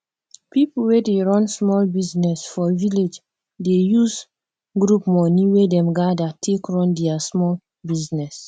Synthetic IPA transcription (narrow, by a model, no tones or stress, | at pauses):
pipul̩wedeɹɔ̃nsmɔlbiznɛsfɔviled͡ʒ | dejuz | ɡɹupmɔniwedɛ̃mɡadatʰekɹɔ̃ndɛasmɔl | biznɛs